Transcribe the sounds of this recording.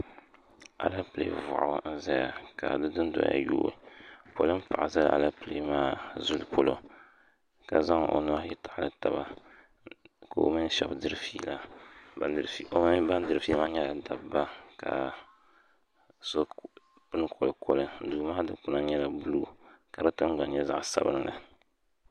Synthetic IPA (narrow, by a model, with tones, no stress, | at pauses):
a̰˨la˦pɨ˨lḛ˨˦˨vʊ̰˨ʔn̩˦za˦ja̰˨ka˨dɨ˦dɨ˦n˦dɔ̰˨˦ja̰˨jo̰ː˦ɨ̰˨po˦lɨ˦m˦pa˨ʔza˦l̰ʔa˨la˦pɨ˨lḛ˨˦maː˦zu˦lpʰo˦lo˦ | ka˨za˦ŋ˨ʔo̰˨nʊ˦a˦jɛ˦ta˨ʔlɨ˦ta˨ba̰˦ | ka˨o̰˨mi˦n˦ʃɔ̰˨bdɨ˦ɾɨ˦fi˦la˨ | ɾi˨˦ba˦n˦dɨ˨ɾfi˦maː˦ɲɛ˦la˨da˨bba˦ka̰˨ | so˦ | pɨ˦nɨ˦kʰo˨lɨ˨kʰo˦lɨ˦n̩˦duː˨maː˦dɨ˦pu˦na˦ɲɛ˦la˨bu˦luː˦ka˨ɾɨ˦tɨ˦mɡ͡ba˨ɲɲɛ˦za̰˦ʔsa˨˦bɨ˦n˦la˨